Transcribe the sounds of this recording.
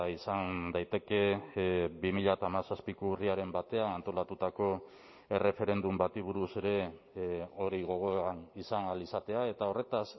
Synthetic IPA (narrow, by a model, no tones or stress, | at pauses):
isand̪ajt̪e̞ke̞ | bimiʎat̪amasaspikouriaɾe̞mbat̪e̞anant̪o̞lat̪ut̪ako̞ | e̞re̞fe̞ɾe̞nd̪umbat̪iβ̞uɾuse̞ɾe̞ | o̞ɾiɣ̞o̞ɣ̞o̞anisanalisat̪e̞ae̞t̪ao̞re̞t̪as